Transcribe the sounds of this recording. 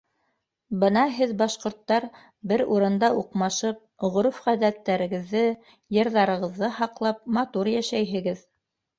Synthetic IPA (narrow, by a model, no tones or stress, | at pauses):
bɤnɑɦɘðbɑʃqŏɾt̪ːɑɾ | bɘɾuɾɤ̆nd̪ɑʔuqmɑʃɤp̚ʁŏɾufʁæðæt̪ːæɾɘ̆ɡɘ̆ðːɘ | jɤ̆ɾðɑɾɤ̆ʁɤ̆ðːɤhɑqlˠɑp̚mɑt̪uɾjæʃæjɦɘ̆ɡɘð